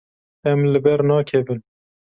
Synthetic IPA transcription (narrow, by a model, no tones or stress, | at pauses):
ɛmlɨbɛɾnɑːkʰɛbɨn